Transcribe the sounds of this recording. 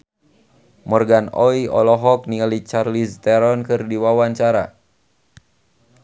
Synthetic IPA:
mɔrɡanɔiɔ̰lɔɦɔk̚nialit͡ʃarlist̪ɛɾɔnkɨrdiwawaɲt͡ʃaɾa

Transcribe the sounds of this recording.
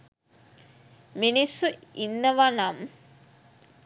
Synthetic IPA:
minisːuinːəʋanam

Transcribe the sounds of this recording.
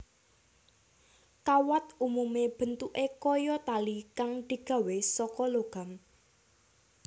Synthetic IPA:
kawat̪umumeb̥ə̤nt̪uʔekɔjɔt̪alikaŋd̪̥i̤ɡ̥ä̤wesɔkɔloɡ̥a̤m

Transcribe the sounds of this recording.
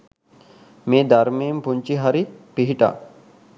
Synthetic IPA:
meːd̪aɾmiːmpuɲt͡ʃiɦaɾipiɦiʈa̰ː

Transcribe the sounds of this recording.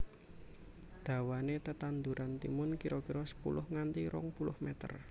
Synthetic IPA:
d̪̥ä̤wanet̪ət̪and̪uɾʔant̪ḭmʊnkiɾɔkiɾɔsə̥pṵlʊhŋant̪iɾɔ̰ŋpulʊhmɛt̪ə̰r

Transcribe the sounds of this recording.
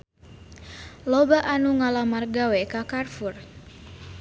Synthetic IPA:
lɔbaʔanuŋalamarɡawɛkakarfur

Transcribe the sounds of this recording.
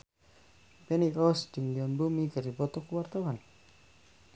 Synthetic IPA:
pɛnikɔsd͡ʒəŋliɔnbumikərdibɔt̪ɔkəwart̪awan

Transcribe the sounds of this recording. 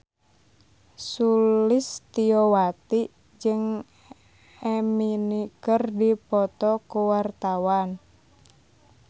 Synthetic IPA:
sulɪst̪iɔwat̪i | d͡ʒɨŋ | ɛminikərdipɔt̪ɔkuwart̪awan

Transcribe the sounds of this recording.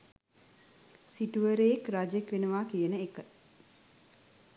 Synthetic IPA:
siʈuʋəɾəjekrad͡ʒekʋenəʋaːkijənəekə

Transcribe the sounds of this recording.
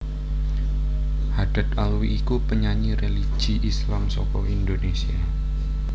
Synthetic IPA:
had̥a̤t̪alwiʔːkupəɲaɲireli̥d͡ʒ̥i̤ʔislamsɔkɔind̪onesia

